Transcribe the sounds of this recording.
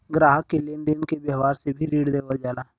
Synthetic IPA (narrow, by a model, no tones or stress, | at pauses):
ɡɾaːɦəkːeleːnd̪eːnkebjəɦʋaːɾsebʱiɾiːɽd̪eːʋəld͡ʒaːlaː